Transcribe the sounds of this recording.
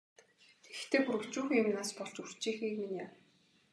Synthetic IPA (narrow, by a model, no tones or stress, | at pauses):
ext̪ʰeːxuɾɘ̆kt͡ɕuːxʊmnaːspɔɮt͡ɕur̥t͡ɕiːxiːkminʲaːw